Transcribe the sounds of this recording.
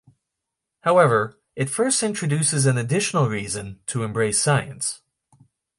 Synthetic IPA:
haʊɛvə˞ | ʔɨtfɜ˞stɪ̃nt͡ʃɹ̥ɨdʉsɨzɨ̃nɨdɪʃn̩l̩ˠɹizɨ̃ntʰəɨ̃mbɹeɪsaɪɨ̃ns

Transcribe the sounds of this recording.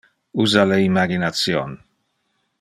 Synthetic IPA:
uzaleimaɡinat̪sjo̰n

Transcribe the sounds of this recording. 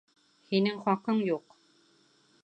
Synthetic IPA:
hinɘŋχɑqɤɴjuq

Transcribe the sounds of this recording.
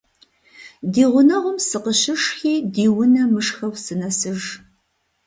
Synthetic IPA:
diːʁʷʊnɐʁʷʊmsɨqəʃɪʂxiːdiːwʊnɐmɨʂxɐwsɨnɐsɨʒ

